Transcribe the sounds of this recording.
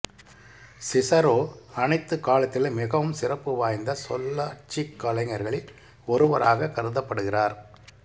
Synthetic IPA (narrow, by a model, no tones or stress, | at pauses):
sɪsɐɾoːɐnɐɪt̪ːɯkaːlɐt̪ːɪlmɪɣɐʋɯmsɪrɐpːɯʋaːjnd̪ɐsɔ̰lːɐʈ̚t͡ʃikːɐlɐɪŋɐɾɣɐɭɪl | ɔɾɯʋɐɾaːɣɐkɐɾɯðɐpːɐɽɯɣɪraːɾ